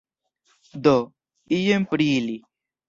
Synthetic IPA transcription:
d̪o | ijempɾiːli

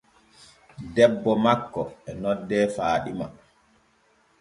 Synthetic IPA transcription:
dɛbːɔmakːɔɛnɔdːɛːfaːɗima̰

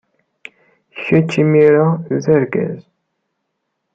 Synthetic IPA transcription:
çːæt͡ʃːimiɾazəɾɡæ̰z

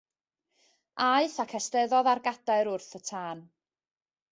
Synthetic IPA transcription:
aɨθakʰɛstɛðɔðarɡad̥aɨɾʊrθətʰaːn

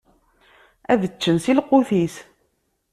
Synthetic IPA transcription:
æðət͡ʃːənsilqːʊθis

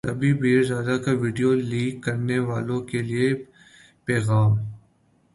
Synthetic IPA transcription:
tɐbʱibiːɾzaːd̪akaʋiːɖijoliːkːɐɾneʋaːlõkelie | pɛːɣaːm

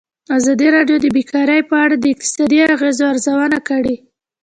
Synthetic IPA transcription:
azɑd̪iɾɑɖjod̪əbekɑɾajpəaɽad̪əɪk̚t̪ɪ̥sɑd̪iaɣezoaɾzawənakəɽe

